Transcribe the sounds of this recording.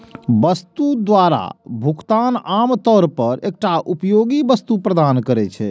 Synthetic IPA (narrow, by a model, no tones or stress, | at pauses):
bəst̪ud̪waɾa̰bʱukt̪anamt̪ɔɾpəɾek̚ʈaʔupjoɡibəst̪upɾəd̪ankəɾɛt͡ʃʰɛ